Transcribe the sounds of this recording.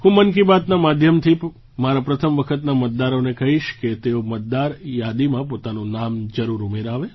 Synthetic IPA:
ɦũmənk̬ibat̪namad̪ʱjəmt̪ʰi | maɾapɾət̪ʰəmʋəkʰət̪namət̪̚d̪aɾonekəɦiʃket̪eomət̪̚d̪aɾjad̪imãpot̪anũnamd͡ʒəɾuɾumeɾaʋe

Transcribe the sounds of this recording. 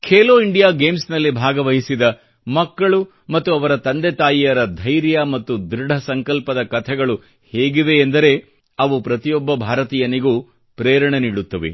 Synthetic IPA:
kʰeːloːiɳɖijaːɡe̞ːmsnɐlːibʱaːɡɐʋɐɦisid̪ɐ | mɐkːɐɭu | mɐt̪ːuɐʋɐɾɐt̪ɐnd̪eɛt̪aːjijɐɾɐd̪ʱɐjɾjɐmɐt̪ːud̪ɾiɖɐsɐŋkɐlpɐd̪ɐkɐt̪ʰɛɡɐɭu | heːɡiʋe̞ːnd̪ɐɾe̞ | ɐʋupɾɐt̪ijɔbːɐbʱaːɾɐt̪iːjɐniɡuː | pɾɛːjɐɾɐɳeniːɽut̪ːɐʋḛ

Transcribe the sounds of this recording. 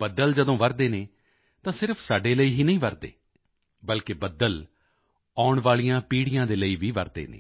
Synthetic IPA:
bəd̪əld͡ʒəd̪õːʋəɾd̪eːneː | t̪ãːsɪɾəpʰsaːɖeːləiːɦiːnəĩːʋəɾd̪ḛː | bəlkeːbəd̪əl | aːʊɳʋaːlijãːpiːɽɪjãːd̪eːləiːʋiːʋəɾd̪ḛːnḛː

